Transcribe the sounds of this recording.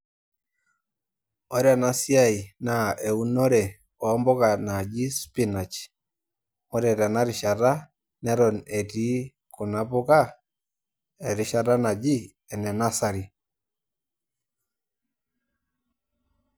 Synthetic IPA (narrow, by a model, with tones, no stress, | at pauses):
o˦ɾa˨na˦sja˦i˨na˨ʔe˨u˦no˦ɾɛ˨ | ɔː˨˦mbɔ˦ɣa˨na˨d͡ʒi˦spi˦na˨t͡ʃ | o˦ɾɛ˨ɾa˨na˦ɾi˨ʃa˨ɾa˦ | nɛ˦ɾɔ˨ne˨ti˦ | ko˨na˨βo˦ɣa˦ | e˨ɾi˨ʃa˨ɾa˦na˨d͡ʒi˦ | ɛ˨nɛ˨na˦sa˨ɾi˨